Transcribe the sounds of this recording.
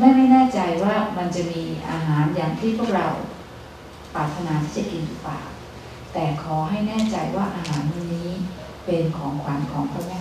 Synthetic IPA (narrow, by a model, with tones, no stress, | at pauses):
ma˥˩jma˥˩jnɛː˥˩t͡ɕa˧jwaː˥˩ma˧nt͡ɕa˨˩miː˧ʔa̰ː˧ɦaː˩˦njaː˨˩ŋt̪ʰiː˥˩pʰu˥˩ək̚ɾa˧w | paː˨˩t̪ʰːa˧naː˦t̪ʰiː˥˩t͡ɕa˨˩ki˧nuː˨˩pa̰ː˨˩w | t̪ɛː˨˩kʰɔː˩˦ɦa˥˩jnɛː˥˩t͡ɕa˧jwaː˥˩ʔaː˧ɦaː˩˦n˧niː˦˥ | pe˧nkʰɔː˩˦ŋkʰwaː˧mkʰɔː˩˦ŋpʰɔː˥˩mɛː˥˩